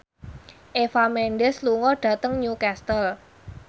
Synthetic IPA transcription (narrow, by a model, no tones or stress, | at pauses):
ʔefamɛnɖɛsluŋɔɖ̥a̤t̪əŋɲukɛst̪əl